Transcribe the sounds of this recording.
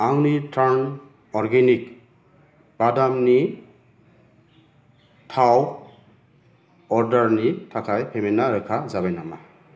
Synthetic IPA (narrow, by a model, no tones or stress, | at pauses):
aŋnitʰaɾn | ɔɾɡenik | b̥adamni | tʰaw | ɔɾdaɾnitʰakʰajpʰemenːaɾɯkʰazabajnama̰